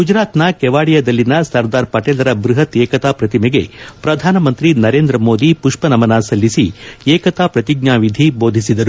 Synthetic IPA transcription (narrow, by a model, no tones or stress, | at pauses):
ɡud͡ʒɾaːt̪nɐkɛʋaːɽijɐd̪ɐlːinɐsɐɾd̪aːɾpɐʈeːlɐɾɐbɾuɦɐt̪eːkɐt̪aːpɾɐt̪imɛɡe̞pɾɐd̪ʱaːnɐmɐnt̪ɾinɐɾeːnd̪ɾɐmoːd̪ipuʂpɐnɐmɐnaːsɐlːisieːkɐt̪aːpɾɐt̪iɡ̚naːʋid̪ʱibo̞ːd̪ʱisid̪ɐɾu